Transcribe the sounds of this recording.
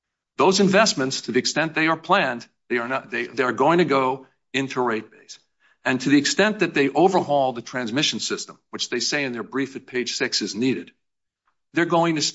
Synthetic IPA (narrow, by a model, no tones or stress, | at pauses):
ðoʊzɨ̃ɱvɛsmɨ̃ntstʰɨðiɨkstɛ̃nðeɪə˞pʰl̥æ̃n | ðeɪə˞ðeɪðeə˞ɡoʊɪ̃ŋtʰɨɡoʊ | ɪ̃ntʰuɹeɪt̚b̥eɪs | ɨ̃ntʰɨðiɨkstɛ̃nðɨt̪̚ðeɪʔoʊvə˞hɔlˠðɨtʰɹ̥æ̃nzmɪʃn̩sɪstə̃mwɨt͡ʃðeɪseɪɨ̃nðə˞bɹifɨt̚pʰeɪd̥ʒ̥sɪksɨzniɾɨd̪̚ | ðə˞ɡoʊɪ̃ŋtʰɨs